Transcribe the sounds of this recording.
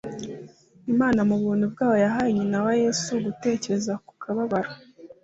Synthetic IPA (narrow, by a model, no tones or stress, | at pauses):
imaːnamuβuːnhubɡaːβo̞jaɦajiɲinawaje̞ːsuɡute̞ːceɾezaku̥kʰaβaβaɾa